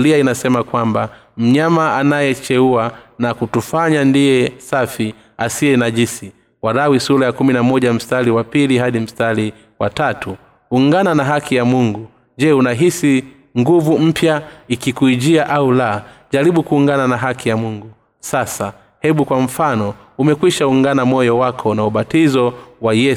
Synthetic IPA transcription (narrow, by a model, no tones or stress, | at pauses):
liainasɛmakwamba | m̩ɲamaanajɛt͡ʃɛuanakutufaɲandijɛsafi | asiɛnaʄisi | waɾawisulajakuminamɔʄam̩staliwapiliɦaɗim̩stali | watatuː | ŋɡananaɦakʰijamuŋɡu | d͡ʒɛunaɦisi | ŋɡuvum̩pjaikikuiʄiaʔaulaʄaɾiɓukuːŋɡananaɦakijamuŋɡu | sasa | hɛɓukwam̩fanɔ | umɛkwiʃauŋɡanamɔjɔwakʰɔnauɓatizɔwajɛ